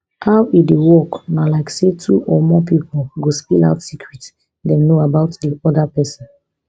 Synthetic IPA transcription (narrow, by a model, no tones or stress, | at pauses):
haʊidewɔknalaɪksetʰṵʔɔmɔpipɔlɡospila̰ʊtsikʰɹit | dɛ̃mnoabaʊtdiɔdapɛsɔ̃n